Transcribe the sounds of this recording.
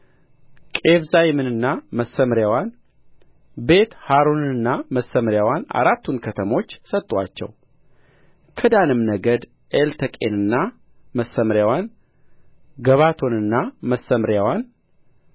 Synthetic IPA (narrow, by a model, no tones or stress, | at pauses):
kʼe̞βzajmɨnɨnːaməsːəmɾjawan | be̞t̪haɾonɨnːaməsəmɾjawana̰ɾat̪ːunkʰət̪ʰəmo̞t͡ʃːsət̪ʼːwa̰t͡ʃːɛ̰w | kʰəd̪anɨmnəɡəd̪ | ʔelt̪ʰəkʼḛnɨnːa | məsːəmɾjawan | ɡəβat̪ʰo̞nɨnːaməsəmɾjawan